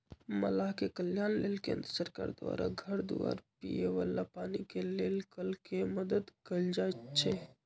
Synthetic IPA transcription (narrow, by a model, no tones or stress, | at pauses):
mə̰laɦkekəljaːnleːlkeə̰nəsəɾka̰ːɾd̪wa̰ɾa̰ɡʱəɾd̪ua̰ɾpḭeʋalːapaːnikelelkəlkeməd̪əd̪kəld͡ʒaːjt̪t͡ʃʰɛ